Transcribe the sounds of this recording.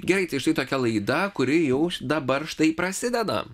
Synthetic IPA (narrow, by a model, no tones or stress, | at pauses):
ɡʲɛɾɐɪt̪ɐɪʃt̪ɐɪt̪oːkʲɛlˠɐɪd̪ɐkʊɾʲɪjɛʊd̪ɐbɐɾʃt̪ɐɪpɾɐsʲɪd̪ʲɛd̪ɐ̰